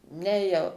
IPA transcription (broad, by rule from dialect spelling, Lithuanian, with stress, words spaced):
ˈnʲɛ jɛʊ